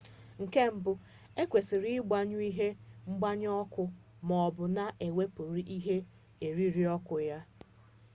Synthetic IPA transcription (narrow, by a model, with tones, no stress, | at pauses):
ŋ̩˨ke˦m̩˦bʊ˦ | e˦kʷe˨sɪ˨ɾi˦ɪ˦ɡ͡ba˦ɲʊ˦i˦ɦe˦ŋ͡m̩˦ɡ͡ba˦ɲ˦ɔ˦kʊ˦ | mɔ˨bʊ˨na˦ʔe˨we˦pʊ˨ɾi˨ʔi˦ɦe˦ | e˨ɾi˦ɾi˦ɔ˦kʊ˨ja˦